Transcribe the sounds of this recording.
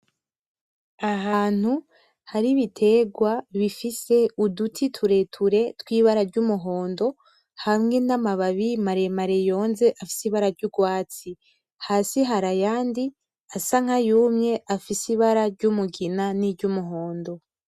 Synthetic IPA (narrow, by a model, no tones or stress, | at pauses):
aɦaːn̥hu | haɾiβitʰe̞ɡwaβifise̞udutʰitʰuɾe̞tʰuɾe̞twiːβaɾaɾɟumuɦo̞ːndo̞ | hamŋe̞namaβaβimaɾe̞maɾe̞jo̞ːnze̞ʔafi̥siβaɾaɾɟuɡwaːt͡si | haːsiɦaɾajaːndi | asaŋ̥ajuːmɲe̞ʔafisiβaɾaɾɟumuɡinaniɾɟumuɦo̞ːndo̞